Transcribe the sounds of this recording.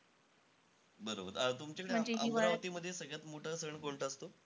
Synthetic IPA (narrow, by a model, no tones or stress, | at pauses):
bəɾobəɾət̪umt͡ɕakəɽeməɳd͡ʑeəiɾaʋt̪iːməd̪ʱːjesəɡɭjat̪moʈʰəsəɳkoɳʈəəst̪o